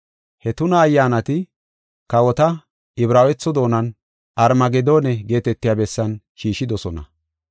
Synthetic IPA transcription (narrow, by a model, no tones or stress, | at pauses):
hɛt̪ʊnɐːjːaːnɐt̪ɪ | kɐwɔt̪ɐ | ɪbɾaːwɛt͡sːɔd̪o̞ːnɐn | ɐɾmɐɡɛd̪oːnɛɡe̞ːt̪ɛt̪ːɪjabɛsːɐn | ʃiːʃːɪd̪ɔsɔnɐ̰